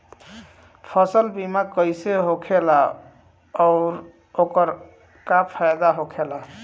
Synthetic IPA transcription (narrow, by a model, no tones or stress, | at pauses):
pʰəsəlbimakəɪjseɦokʰela | ɔʊɾ | okəɾ | kapʰajd̪aɦokʰela